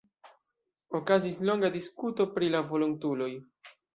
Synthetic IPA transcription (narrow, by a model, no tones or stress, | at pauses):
o̞kazislo̞ŋɡadiskuto̞pɾilavo̞lontulo̞j